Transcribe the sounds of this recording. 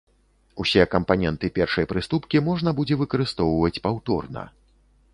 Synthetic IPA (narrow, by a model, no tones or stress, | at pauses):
usʲɛkɐmpanʲɛnt̪ɨpʲɛrʂɐjpɾɨst̪upkʲimɔʐn̪ɐbud͡zʲɛvɨkɐɾɨst̪ɔwvɐt͡sʲpawt̪ɔ̰rnɐ̰